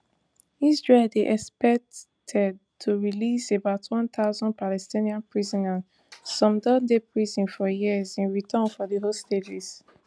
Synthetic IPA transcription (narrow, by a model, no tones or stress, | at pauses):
izɹeldeʔɛkspɛk̚t | tʰɛd̚ | tʰuɹilisebaʊtʰwɔ̃nt̪aʊzɔ̃n̚palɛstĩniãnpɹizɔ̃nãn | sɔ̃mdɔ̃ndepʰɹizɔ̃nfɔjiəzĩnɹitʰɔ̃nfɔðiɦostetis